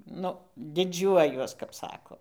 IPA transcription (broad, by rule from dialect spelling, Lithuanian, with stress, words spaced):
ˈnʊ dʲɪˈd͡ʒʲuɔjuɔs kɐp ˈsɑːkoː